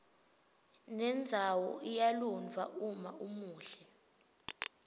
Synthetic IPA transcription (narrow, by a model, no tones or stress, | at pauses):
nɛnd͡zʱawɔ̰ʔijalunvʱa̰ʔumaʔumuːɬɛ